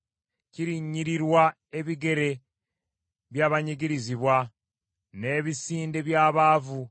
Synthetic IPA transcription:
ciɾiɲːiɾiɾwa | e̞βiɡe̞ɾe̞ | βjaːβaɲiɡiɾiziβwa | ne̞ːβisiːnde̞βjaːβaːvu

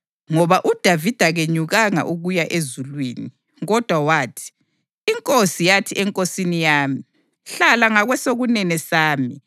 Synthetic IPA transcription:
ŋɔβaʔud̥ʱavid̥ʱaɣeɲuɣaŋa̰ʔuɣujaʔezulwiːni | ɣɔd̥ʱwawaːtʰi̥ː | ŋkʼosijatʰiʔɛŋkʼosinijaːmi | ɬalaŋaɣwɛsoɣunɛnɛsaːmi

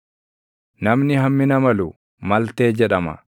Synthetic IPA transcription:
nɐmnɪɦɐmːɪnɐmɐlu | mɐlt̪e̞ːd͡ʒɛᶑɐmɐ̰

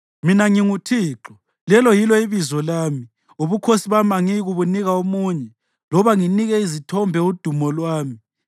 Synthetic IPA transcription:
minaŋiŋutʰiːǁɔ̥ | lɛlɔjilɔiβizɔlaːmi | uβukʰosiβamaŋiɣuβuniɣaomuːɲɛ | lɔβaŋiniɣɛizitʰɔmbʱɛud̥ʱumɔlwaːmi

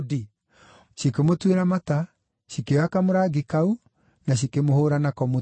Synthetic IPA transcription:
di | ʃikemotweɾamata | ʃikewakamoɾaɡikau | naɕ̬ikemohoːɾanakɔmo

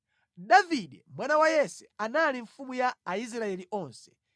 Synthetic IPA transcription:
daviɗɛmwanawajɛsɛanaliɱfumujaːis̬ɾaɛliʔɔnsɛ̥

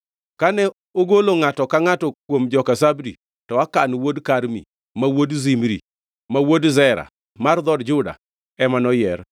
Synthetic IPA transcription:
kanɛ | oɡoloŋatɔkaŋatɔkwomd͡ʒɔkasabdḭ | tɔakanwodkaɾmḭ | mawodzimɾḭ | mawodzɛɾa̰ | mard̪ɔdd͡ʒʊda̰ | ɛmanɔjɛr

